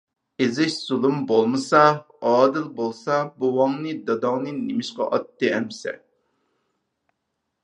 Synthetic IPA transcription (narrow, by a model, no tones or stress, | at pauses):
ezɪʃz̥ulˠumbolˠmɨsɑ | ɑːd̪ɨlˠbolˠsɑbuwɑŋnɨd̪ɑd̪ɑŋnɨnemɪʃqɑʔɑt̪ːɨɛmsɛ̰